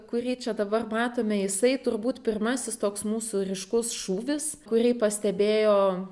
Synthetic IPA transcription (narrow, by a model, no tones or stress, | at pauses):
kʊrʲiːt͡ʃʲɛd̪ɐbɐrmɑːt̪oːmʲɛjɪsɐɪt̪ʊrbuːt̪pʲɪrmɑːsʲɪst̪oːksmuːsurʲɪʃkʊsʃuːʋʲɪs | kʊrʲɛɪpɐsʲt̪ʲɛbʲeːjoː